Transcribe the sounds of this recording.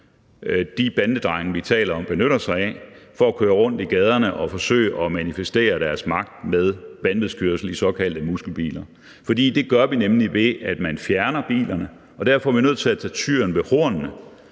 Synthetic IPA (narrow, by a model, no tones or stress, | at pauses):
d̥ib̥ændəd̥ʁɑ̈ɪŋɐʋit͡sʰɛ̰ːlɐɒ̽mb̥e̝nøɾɐsɑ̈ɪɛ̰fɒ̽ækʰøːɐʁɔ̽n̰d̥iɡ̥ɛːð̞ˠɐnəʔɒ̽fɒ̽sø̰ːɪʔɒ̽mænifesd̥e̝̰ːɐd̥æɐsmɑ̈ɡ̥̚d̥með̞ˠb̥ændəð̩ˠskʰyɐsl̩isɒ̽kʰæl̰d̥əmusɡ̥l̩b̥ḭːlɐ | fɒ̽d̥ḭːd̥e̝ɡ̥ɶɐʋinemliʋe̝ʔæd̥mænfjæɐnɐb̥ḭːlɐnə | ʔɒ̽d̥æɐfɒ̽æɐʋinøð̰ˠt͡sʰe̝æt͡sʰɛt͡sʰyːɐnʋe̝ho̝ɐ̰nnə